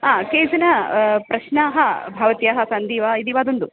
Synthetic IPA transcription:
ɦaːkeːd͡ʒɐnɐpɾɐʃnaːɦɐbʱɐʋɐt̪jaːɦɐsɐnd̪iːʋaid̪iːʋaːd̪ond̪u

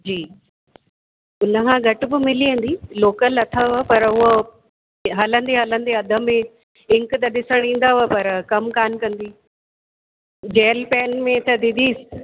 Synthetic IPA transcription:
d͡ʑiː | ʊnə̆kʰãɡʱɐʈbɪmɪliə̃n̆d̪iːloːkəlɐt̪ʰaɦpɐɾʊɦo | ɦɐlə̃nd̪eɦɐlə̃nd̪eɐd̪ʱə̆mẽ | ɪ̃ŋkt̪ɐɗɪsəɽ̃ĩːn̆d̪aːɦpɐɾkɐmkaːnkɐ̃nd̪iː | d͡ʑeːlpɛːnmẽt̪ʰɐd̪ɪ̃d̪iːsɪ̥̆

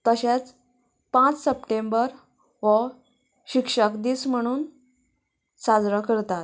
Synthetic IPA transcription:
t̪əɕet͡s | pãt͡ssəpʈembəɾ | ʋə | ɕikʂəkd̪iːsm̤əɽ̃uːn | sad͡zɾəkəɾt̪at̪

